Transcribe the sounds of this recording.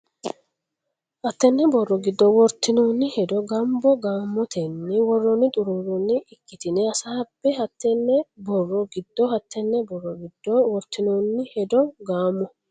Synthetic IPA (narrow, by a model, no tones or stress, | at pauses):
hɐt̪ːɛnːɛbɔrːɔɡɪd̪ːɔwɔɾt̪ːɪnoːnːɪhɛd̪ɔɡɐmbɔɡaːmːɔt̪ʰɛnːɪwɔrːɔnːɪt̪ʼʊɾuːɾɔnːɪʔɪkːɪt̪ɪnɛɐsaːbːɛhɐt̪ːɛnːɛbɔrːɔɡɪd̪ːɔhɐt̪ʰːɛnːɛbɔrːɔɡɪd̪ːɔwɔɾt̪ːɪnoːnːɪhɛd̪ɔɡaːmːɔ